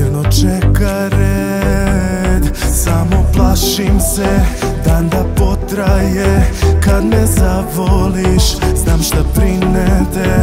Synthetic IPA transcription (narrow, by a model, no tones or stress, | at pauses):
ɾnot͡ʃɛka | ɾe | d̪samo̞plˠaʃimsed̪and̪apo̞t̪ɾajekad̪nɛzaʋoliʃznaːmʃt̪apɾinet̪e